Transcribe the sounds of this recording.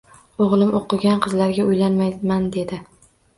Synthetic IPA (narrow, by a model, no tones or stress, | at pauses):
oʁlˠɪmʔoqʰɨɡʲanqʰɨzlaɾɡʲaʊjlanmajmand̪e̞d̪ɪ